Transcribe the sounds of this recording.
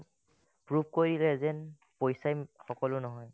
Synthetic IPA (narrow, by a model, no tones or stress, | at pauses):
pɹupkoidilɛzɛn | pojsajxɔkɔlʊnɔɦɔj